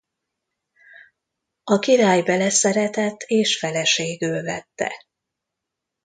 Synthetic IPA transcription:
ɒkiɾaːjbɛlɛsɛɾɛt̪ɛt̪ʰːeːʃfɛlɛʃeːɡøːlvɛt̪ːɛ̰

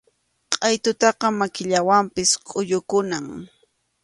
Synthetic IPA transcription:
qʼɑjt̪ʊt̪ɑqɑmakɪʎawampɪsqʼʊʎʊkʊnaŋ

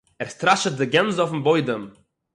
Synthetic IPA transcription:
ɛɾstɾaʃət̚dɪɡɛnzɔfn̩boɪdəm

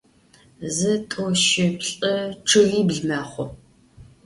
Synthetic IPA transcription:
zɨtʼoʃɪpɬʼɐʈ͡ʂʰɨriːbɮmaːχʷʊ

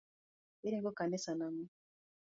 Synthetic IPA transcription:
eɾiŋɡokanesaname

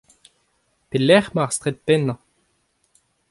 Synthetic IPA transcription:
pelɛχmaʁst̪ʁet̪̚pɛnːɑ̃

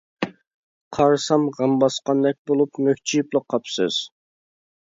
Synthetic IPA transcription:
qʰɑɾsɑmʁɑmbɑsqɑnd̪ɛk̚ʲbolˠupmøk̚ʲt͡ʃʰijiplˠəqʰːɑpsɨ̰z̥

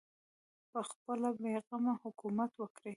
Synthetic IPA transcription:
pəxpəlabeɣamahʊkumat̪wəkɾi

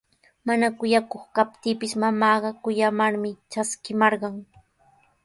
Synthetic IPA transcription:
manakʊjakoχkap̚t̪iːpɪsmamɑːɢɑkʊjamaɾmɪt͡ʃaskɪmɑɾɢɑŋ

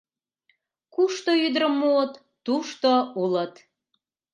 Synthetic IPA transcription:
kuʃt̪oyd̪ɾəmːuət̪ːuʃt̪oulət̪

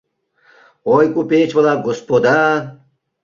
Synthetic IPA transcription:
ojkʼupet͡ʃbəlaɡospod̪a

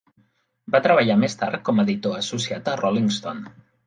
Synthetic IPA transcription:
bat̪ɾəβ̞əʎamest̪a̰ɾkɔməðit̪oəsusiat̪ərʔɔliŋst̪on

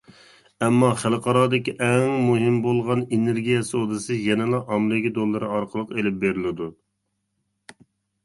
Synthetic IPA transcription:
ɛmːɑχælˠqʰɑɾɑːd̪ɪkʲiʔɛŋmuɦɪmbolˠʁɑneneɾɡʲijɛsɨod̪ɨsɨjɛnɪlˠɑʔɑmlˠɪɡʲid̪olˠːɨɾɨɑɾqʰəlˠəqelɪp̚beɾɪlɪd̪u

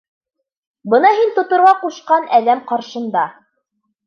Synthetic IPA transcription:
bɤnɑɦint̪ŏt̪ŏɾʁɑquʃqɑnæðæmqɑɾʃɤ̆nd̪ɑ

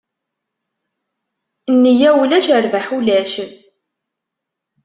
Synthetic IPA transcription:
nːəjæwlæʃəɾvəħulæʃən

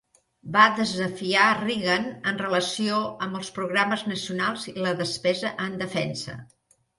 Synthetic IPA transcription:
baðəzəfiariɣənənrələsioəmbəlˠspɾuɣɾaməznəsiunalˠziləðəspɛzəʔənd̪əfɛnsə̰

